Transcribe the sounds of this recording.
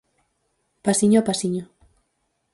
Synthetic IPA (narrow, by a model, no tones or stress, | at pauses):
pasiɲopasiɲo